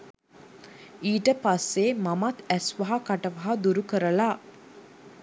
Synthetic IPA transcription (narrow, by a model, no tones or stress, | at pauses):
iːʈəpasːemamat̪æsʋaɦakaʈəʋaɦad̪uɾukəɾəla